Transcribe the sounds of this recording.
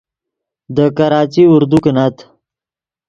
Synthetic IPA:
d̪əkaɾɑːt͡ʃiʊɾd̪ukənat̪

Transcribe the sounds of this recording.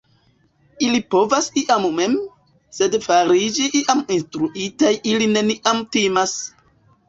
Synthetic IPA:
ilipo̞vasiʔamme̞m | se̞dfaɾid͡ʒiʔiʔaminstɾuʔitajʔiline̞niʔamtimas

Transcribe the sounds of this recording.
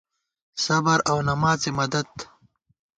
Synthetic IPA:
sɐbɐɾɐwnɐmaːzsemɐd̪ɐd̪̚

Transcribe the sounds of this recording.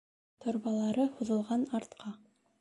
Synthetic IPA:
t̪ʰŏɾβɑlˠɑɾɤhuðɤ̆lˠʁɑnɑɾt̪qʰɑ

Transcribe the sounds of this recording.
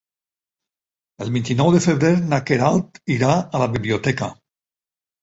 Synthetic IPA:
elˠβint̪inɔwðefeβɾeɾnakeɾalˠt̪iɾaalaβiβliot̪ɛka

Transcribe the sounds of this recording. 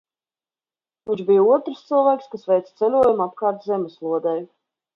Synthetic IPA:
vʲĩɲt͡ʃbijuɔt̪ɾst̪sɨlˠvaːkskasvɛjt̪st̪sɛlʲuɔjumapkaːɾt̪zɛmʲɪslˠuɔd̪aj

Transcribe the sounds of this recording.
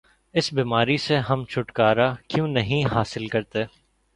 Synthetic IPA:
ɪsbiːmaːɾiseɦɐmt͡ʃʰʊʈkaːɾakjũːnɐɦĩɦaːsɪlkɐɾt̪eː

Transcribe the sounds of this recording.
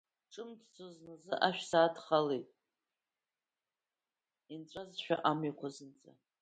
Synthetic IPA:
ʈ͡ʂʼɨmdt͡sʰʼoznazɨʔaʃᶣsaːdχalejtʼ | int͡sʷʼazʃᶣa̰ʔamɥaqʷʰazɨnt͡sʼa̰

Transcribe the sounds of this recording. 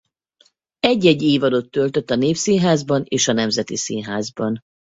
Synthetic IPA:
ɛɟːɛɟːiːvɒd̪o̞t̪ːølt̪øt̪ːɒneːfsinɦaːzbɒneːʃɒnɛmzɛt̪isinɦaːzbɒn

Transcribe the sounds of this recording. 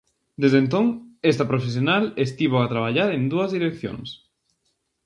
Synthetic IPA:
d̪ezðent̪oŋest̪ɐpɾofes̬jonalest̪iβoat̪ɾaβaʎaɾend̪uɐzðiɾekθjo̰ŋs

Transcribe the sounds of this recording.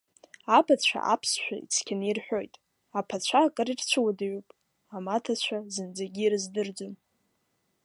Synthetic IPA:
apʰat͡ɕʷʰa̰ʔapʰsʃʷᶣa̰ḭt͡sʰkʲʰanirħʷᶣo̞jtʼ | apʰat͡ɕʷʰakʼaɾirt͡ɕʷʰɨwadaɥupʼ | amatʰat͡ɕʷʰazɨnd͡zaɡʲirɨzdɨrd͡zom

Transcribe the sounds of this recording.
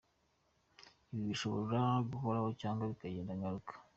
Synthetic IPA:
iβiβiʃoβo̰ɾeɾaɡuko̞ɾahocaːŋɡaβikaɟeːndaŋɡaɾukʰḁ

